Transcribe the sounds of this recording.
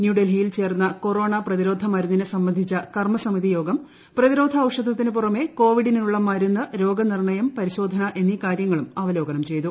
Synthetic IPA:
njuɖelɦijilt͡ɕe̞ːrnːɐko̞ro̞ːɳɐprɐðiɾo̞ːd̪ʱɐmɐɾunːinɨsɐmbɐnd̪ʱit͡ɕːɐkɐrmɐsɐmiðijo̞ːɡɐm | prɐðiɾo̞ːd̪ʱɐːʋʂɐd̪ʱːɐt̪ːinɨp̬urɐme̞ko̞ːʋiɽininuɭːɐmaːɾunːɐɾo̞ːɡɐnirɳɐjɐmpɐɾiɕo̞ːd̪ʱɐnɐʔe̞nːikaːɾjɐŋːɐɭumɐʋɐlo̞ːɡɐnɐmt͡ɕe̞jt̪u

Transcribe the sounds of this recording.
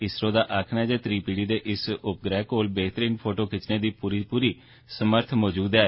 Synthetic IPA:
ɪsɾõːd̪aːʔaːkʰnaɛd͡ʒeːt̪ɾiːpiːɽiːd̪eːʔɪsʊp̚ɡɾɛːkoːlbeːt̪əɾiːnpʰoːʈoːkʰɪt͡ʃneːd̪iːpuːɾiːpuːɾiː | səməɾt̪ʰmɔːd͡ʒuːd̪ɛː

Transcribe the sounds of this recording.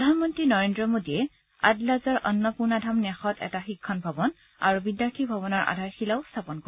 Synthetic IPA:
pɹɔdʱanmɔntɹinɔɹendɹɔmodiɛ | a̰dlazɔɹʔɔ̰nːɔpuɹnadʱamnɛxɔtɛ̰taxikʰːɔnbʱɔbɔn | a̰ɹubidjaɹtʰibʱɔbɔnɔɹʔa̰dʱaɹxilaʊstʰapɔnkɔ

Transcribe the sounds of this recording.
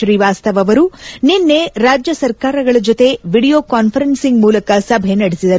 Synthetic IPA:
ɾiːʋaːst̪ɐʋɐʋɐɾuninːe̞ɾaːd͡ʒjɐsɐɾkaːɾɐɡɐɭɐd͡ʒot̪e̞ʋiːɽijoːkaːnpʰɐɾensiŋɡmuːlɐkɐsɐbʱenɐɽesid̪ɐɾ

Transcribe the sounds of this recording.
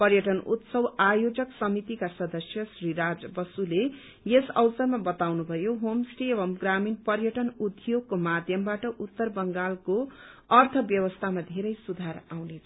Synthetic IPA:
pʌrjʌʈʌnṵt̪sʌwajod͡zʌksʌmit̪ikasʌd̪ʌsjʌsriɾad͡zbʌsule | jesʌ̰wsʌrmabʌt̪awnubʱʌjoɦomsʈiebʌmɡraminpʌrjʌʈʌnud̪ʱjoɡ̚komad̪ʱjʌmbaʈʌʔut̪ːʌrbʌŋɡalkoʌrt̪ʰʌbjʌwʌst̪ʰamad̪ʱeɾʌjsud̪ʱaɾawnet͡sʰʌ

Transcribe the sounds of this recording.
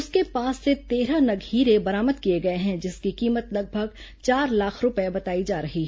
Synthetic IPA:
ʊskepaːsːet̪eːɾanɐɡʱiːɾebɐɾaːməd̪kieɡɐeɦɛ̃d͡ʒɪskikiːmət̪lɐɡ̚bʱəɡ | t͡ʃaːɾlaːkʰɾʊpebɐt̪aːid͡ʒaːɾɐɦi

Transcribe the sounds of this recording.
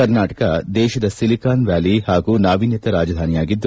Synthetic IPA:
ɐɾnaːʈɐkɐd̪ɛːʃɐd̪ɐsilikaːnʋjaːlihaːɡuːnaːʋinjɐt̪ɐɾaːd͡ʒɐd̪ʱaːnijaːɡid̪ːu

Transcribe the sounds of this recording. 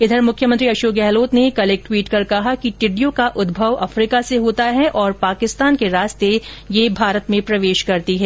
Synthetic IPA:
ɪd̪ʱəɾmʊkʰjəmɐ̃nt̪ɾiɐʃoːɡɛːɦloːt̪nekɐleːk̚ʈwiːʈkɐɾkɐɦakiʈɪɖijõkaʔʊd̪bʱəʋɐfɾiːkaseɦoːt̪aɦɛʔɔːɾpaːkɪst̪aːnkeɾaːst̪e | jebʱaːɾət̪mẽpɾɐʋeːʃkɐɾt̪iɦɛː

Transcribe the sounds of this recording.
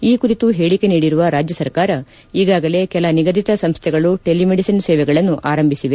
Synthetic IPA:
iːkuɾit̪uɦeːɭike̞niːɽiɾuʋɐɾaːd͡ʒjɐsɐɾkaːɾɐ | iːɡaːɡɐle̞kɛlɐniɡɐd̪it̪ɐsɐmst̪ʰɛɡɐɭuʈelimeɽisɐnsɛːʋɛɡɐɭɐnːuʔʔaːɾɐmbʱisiʋe

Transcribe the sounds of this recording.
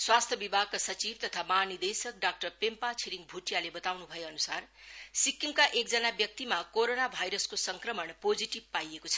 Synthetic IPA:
swast̪ʰjʌbibʱaɡ̚kasʌt͡sib̚t̪ʌt̪ʰamaɦːnid̪esʌk̚ɖak̚ʈʌrpempat͡sʰiɾiŋbʱuʈjalebʌt̪awnubʱʌjeʌnusarsikːimkaʔek̚d͡zʌnabjʌk̚t̪imakoɾonabʱajɾʌskosʌŋkrʌmʌɳpod͡ziʈib̚pajekot͡sʰʌ̥

